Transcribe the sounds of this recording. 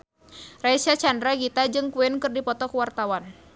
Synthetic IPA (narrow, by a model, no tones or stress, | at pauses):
raisat͡ʃandɾaɡit̪ad͡ʒɨŋkuɪnkɨrdipɔt̪ɔkuwart̪awan